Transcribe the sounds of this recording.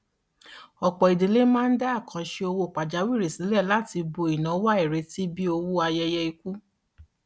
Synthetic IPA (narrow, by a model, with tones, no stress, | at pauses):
ɔ˨k͡pɔ˨i˨de˨le˦mãː˦n̩˦da˦a˦˨kã˨ʃe˧o˧wo˧˨k͡pa˨d͡ʒa˨˦wi˦˨ɾe˨si˨˦lɛ˦˨la˦˨ti˧bo˧i˨nã˨˦wa˦i˨ɾe˨˦ti˦bi˦o˧wo˦a˧jɛ˧jɛ˧i˧ku˦